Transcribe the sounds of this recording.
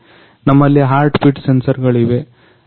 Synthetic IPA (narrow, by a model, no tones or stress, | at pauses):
nɐmːɐlːiɦaːɾʈpiʈsensɐɾɡɐɭiʋe̞